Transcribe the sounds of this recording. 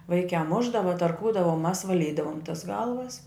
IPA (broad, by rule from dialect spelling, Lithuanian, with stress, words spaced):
ˈʋɐɪkʲæː ˈmʊʒdɐʋɐ tɐrˈkuːdɐʋɐ ʊ mɐs ʋɐˈlʲiːdɐʋoːm tɐs ˈɡɐlˠʋɐs